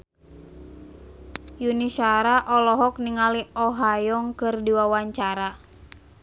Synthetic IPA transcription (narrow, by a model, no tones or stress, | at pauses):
junisaɾaʔɔlɔɦɔk̚niŋaliɔɦajɔŋkɨrdiwawaɲt͡ʃaɾa